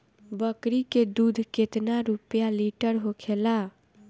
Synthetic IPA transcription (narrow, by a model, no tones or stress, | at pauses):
bəkɾiked̪ud̪ʱket̪naɾupjaliʈəɾɦokʰela